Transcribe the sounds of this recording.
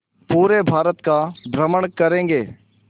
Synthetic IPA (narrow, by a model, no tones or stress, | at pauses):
puːɾebʱaːɾət̪kab̪ɾəməɳkəɾẽːŋɡeː